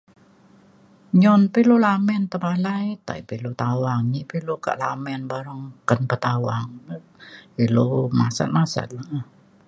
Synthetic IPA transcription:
ɲɔnpilolamɛnt̪əbalajt̪a̰ipilot̪awaŋɲipiloka̰ʔlamɛnbaɾəŋkənpət̪awaŋ | ilomasa̰t̪̚masa̰t̪̚la

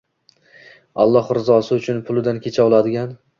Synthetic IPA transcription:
a̰lˠːɒhɾɪzɒsɪʊt͡ʃʰʊnpʰʊlˠɪd̪ankʲʰe̞t͡ʃʰaɒlˠad̪ɪɡʲan

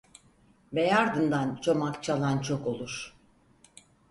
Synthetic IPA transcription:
bejaɾd̪ɯnd̪ant͡ʃʰo̞makt͡ʃʰalˠant͡ʃʰo̞ko̞lˠuɾ

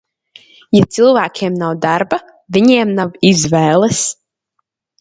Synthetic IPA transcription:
jat̪sɨlˠvæːkʲʰeːmnawd̪aɾba | vʲiɲɛɛmnavizvɛːlˠɛs

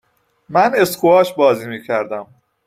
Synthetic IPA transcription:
mæne̞sχuɒːʃbɒːziːmiːcʰæɾd̪æm

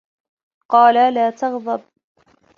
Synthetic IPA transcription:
qɑːlalaːt̪ɑɣd̪ˤɑb̚

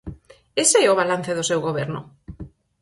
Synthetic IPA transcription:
eseɛoβ̞alan̟θeðosewɣoβ̞ɛɾnʊ̰

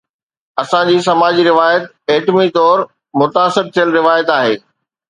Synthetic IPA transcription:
ɐsãd͡ʑiːsɐmaːd͡ʑiɾɪʋaːjət̪ | eːʈmit̪ɔːɾ | mʊt̪aːsɪɾt̪ʰijəlɾɪʋaːjət̪aːɦeː

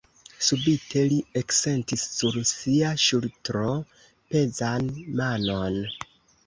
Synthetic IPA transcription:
subitʰe̞liekse̞ntisːuɾsiaʃultɾo̞ | pe̞zanmano̞n

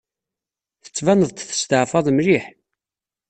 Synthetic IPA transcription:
θə̥t͡sːvænəðˤt̪θə̥st̪əʕfɑðˤmɾiħ

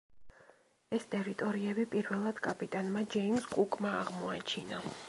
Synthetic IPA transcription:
ɛst̪ʼɛɾit̪ʼɔɾiɛbipʼiɾvɛlˠad̪̥kʼapʼit̪ʼanmad͡ʒɛimskʼukʼmaːʁmɔat͡ʃʰina

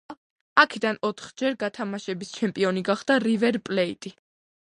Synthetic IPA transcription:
akʰɛd̪anɔt̪ʰχd͡ʒɛɾɡat̪ʰamaʃɛbist͡ʃʰɛmpʼiɔniɡaχd̪̥aɾivɛɾpʼlɛit̪ʼi

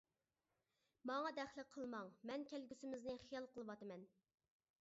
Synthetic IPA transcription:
mɑŋɑd̪ɛχlˠɪqʰəlˠmɑŋmɛnkʲælɡʲysɪmɪznɪχijɑlˠqʰəlˠɨwɑt̪ɨmɛn

